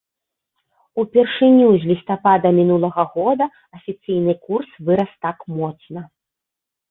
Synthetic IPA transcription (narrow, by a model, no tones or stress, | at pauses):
upʲɛrʂɨnʲuzʲlʲist̪apad̪ɐmʲinulˠɐɣɐɣɔd̪ɐ | ɐfʲit̪sɨjnɨkursvɨɾɐst̪akmɔt̪snɐ